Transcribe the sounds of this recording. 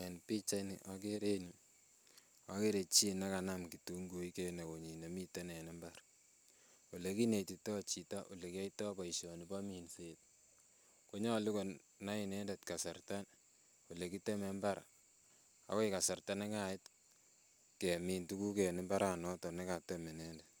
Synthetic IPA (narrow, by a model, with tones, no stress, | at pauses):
e˨npi˦t͡ʃa˦nḭ˨ʔak̬e˦ɾe˦ni | a˨˦ke˦ɾe˨t͡ʃi˦na˦ka˨namkitu˦ŋɡo˨i˦ke˦na˨ko˨ɲi˨ne˨mi˦te˦nɛ˨ne˦mbaɾ | wo˨le˨ki˦ne˨ti˨tɔ˦t͡ʃi˨ta˦ʔo˨le˨ki˦a˦itɔ˦pa˨iʃɔ˨ni˨pa˦mi˨nse˦t̚ | ko˦ɲa˦˨li˦ko˨ | na˦ɪ˨nɛ˦nde˨tka˨sa˨rta˦n | wo˨le˨ki˦tɛ˦me˨˦mba˦ɾa̰˨ | a̰˨kɔ˦ɪ˦ka˨sa˨rta˦na˦ŋaɪ˦t | ke˨mi˨ntu˦ku˦kɛ˨nɪ˦mba˦ɾa˨nɔ˦tɔ˨ne˦ka˨tɛ˦me˨nɛ˦ndet